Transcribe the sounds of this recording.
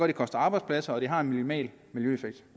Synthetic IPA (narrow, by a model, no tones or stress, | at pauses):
ɔɐd̥ikʰɒ̽sd̥ɐɑ̈ːb̥ɑ̈ɪdspʰlæsɐɒ̽ɾ̥eɦɑ̈e̝nmilmɛ̰ːl | miljøefeɡ̥d̥